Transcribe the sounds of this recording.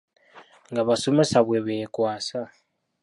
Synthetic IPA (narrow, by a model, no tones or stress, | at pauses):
ŋɡaβasomɛsaβwɛβɛkʼwaːsa